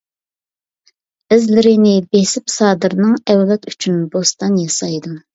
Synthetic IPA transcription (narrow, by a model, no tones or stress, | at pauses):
ɪzlɪɾɪnɪbesɪpsɑːd̪ɨɾnɨŋɛwlɛt̪y̥t͡ʃʰynbost̪ɑnjɑsɑjd̪u